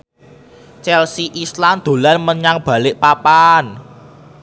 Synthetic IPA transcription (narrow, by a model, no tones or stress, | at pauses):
t͡ʃɛlsiʔislamd̪̥o̤lanməɲaŋb̥ä̤lɪʔpapan